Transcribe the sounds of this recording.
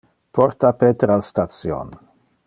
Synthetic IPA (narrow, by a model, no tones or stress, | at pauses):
pʰɔɾt̪apeːt̪ɾalst̪at̪sjo̰n